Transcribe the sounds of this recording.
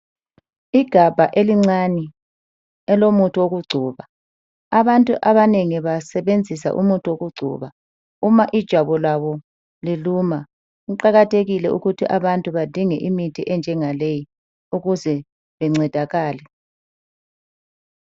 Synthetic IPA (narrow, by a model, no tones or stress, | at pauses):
iɡ̥ʱab̥ʱaʔeliŋ͡ǀani | ɛlomutʰʼuoɣuɡ͡ǀʱuːβa | aβantʼuʔaβaneŋiβasɛβend͡zʱisa̰ʔṵmutʼuoɣuɡ͡ǀʱṵβa | umaʔid̥ʒ̥ʱaβɔlaβɔ | liluma | ɣuǃaɣatʰeɣilɛṵɣutʰiʔaβantʼuβad̥ʱiŋɛʔimitʰiʔɛnd͡ʒʱɛŋaleji | uɣuzɛ | βɛŋ͡ǀɛd̥ʱaɣaːlɛ